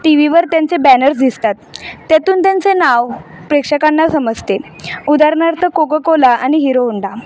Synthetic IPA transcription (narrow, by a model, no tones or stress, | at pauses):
ʈiʋiʋəɾt̪jãnt͡sebænəɾs̬d̪ist̪at̪ːat̪uːnt̪jãnt͡senaʋpɾekʂəkanːasəməd͡zt̪e | ud̪aɾɳaɾt̪ʰəkoɡəkolaʔaniɦiɾouɳɖa